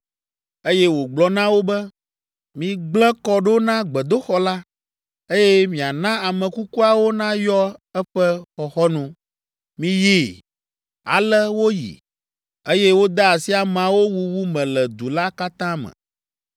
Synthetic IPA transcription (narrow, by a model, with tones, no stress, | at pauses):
e˦jɛ˦wo˨ɡ͡blɔ˨nã˦wo˦bɛ˦ | mĩ˨ɡ͡blɛ̃˦kɔ˦ɖo˦nã˦ɡ͡bɛ˨d̪o˦xɔ˦la˦ | e˦jɛ˦mĩ˨a˨nã˦a˨mɛ̃˨ku˦ku˦a˨wo˦nã˦jɔ˦ɛ˦ɸɛ˦xɔ˨xɔ˦nũ˦ | mĩ˨ji˦˨ | a̰˨lɛ˦wo˦jḭ˨ | e˦jɛ˦wo˦d̪a˦a˨si˦a˨mã˨wo˦wu˨wu˦mɛ̃˨lɛ˨d̪u˨la˦ka˦t̪ã˦mɛ̰̃˨